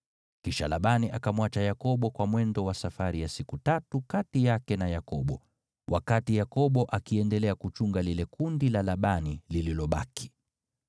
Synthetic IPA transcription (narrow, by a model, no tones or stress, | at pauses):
kiʃa̰laɓaniʔakamwat͡ʃajakɔɓɔkwamwɛndɔwasafaɾijasikutatukatijakɛnajakɔɓɔ̰ | wʔa̰katijakɔɓɔʔakiɛndɛlɛakut͡ʃuŋɡalilɛkundilalaɓanilililɔɓaki̥